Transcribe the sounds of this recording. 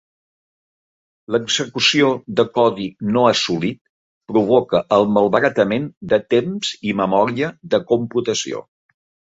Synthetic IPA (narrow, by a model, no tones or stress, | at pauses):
ləɡzəkusiod̪əkɔðinoəsulit̪̚ | pɾuβ̞ɔkəʔəlˠməlˠβəɾət̪əmend̪ət̪emz̥iməmɔɾiəðəkumput̪əsḭo̰